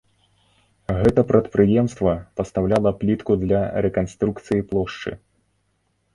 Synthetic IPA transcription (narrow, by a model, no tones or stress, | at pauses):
ɣɛt̪ɐpɾʔɐt̪pɾɨjɛmst̪vɐpɐst̪awlʲalˠɐplʲit̪kud̪lʲɐɾɛkanst̪ɾukt̪sɨjiplˠɔʂt͡ʂɨ̰